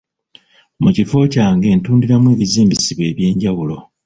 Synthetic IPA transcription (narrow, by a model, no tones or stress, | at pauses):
mucifo̞caːŋɡe̞ːntuːndiɾamwe̞ːβiziːmbisiβe̞ːβje̞ːɲɟawulo̞